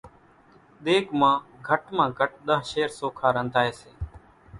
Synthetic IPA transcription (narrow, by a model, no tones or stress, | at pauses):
ɗ̪eːkmãːɡʱəʈmãːɡʱəʈ̚ɗ̪əɦʃeːɾsoːkʰaːɾənd̪aːeːseː